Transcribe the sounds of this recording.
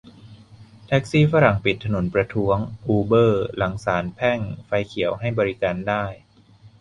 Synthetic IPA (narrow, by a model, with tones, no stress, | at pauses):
t̪ʰɛ˦˥k̚siː˥˩fa˦˥ɾa˨˩ŋpi˨˩t̪ʰːa˧no˩˦npɾa˧t̪ʰu˦˥əŋʔuː˧bɤː˥˩la˩˦ŋsaː˩˦npʰɛ˥˩ŋfa˧jkʰi˨˩˦əwɦa˥˩jbɔː˧ɾi˦˥kaː˧ndaː˥˩j